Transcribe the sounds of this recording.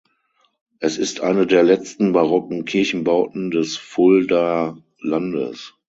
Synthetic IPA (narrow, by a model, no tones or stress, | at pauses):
ʔɛsɪstʰʔa̰ɪnədeːɐlɛt͡stn̩baʁɔkŋ̩kʰɪɐçn̩baʊtn̩dɛsfʊlda | landə̰s